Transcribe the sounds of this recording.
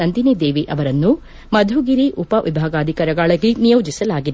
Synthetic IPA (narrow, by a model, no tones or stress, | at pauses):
ɐnd̪inid̪eːʋiʔɐʋɐɾɐnːu | mɐd̪ʱuɡiɾiʔupɐʋʔḭbʱaːɡaːd̪ʱikɐɾɐɡaːɭɐɡinijɐwd͡ʒisɐlaːɡid̪